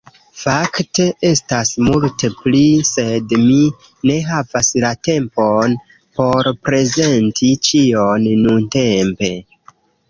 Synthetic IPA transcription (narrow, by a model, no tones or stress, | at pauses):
fakte̞ʔe̞stasmulteplise̞dmi | ne̞ɦavaslate̞mpon | po̞ɾpɾe̞ze̞ntʰit͡ʃio̞nːunte̞mpe̞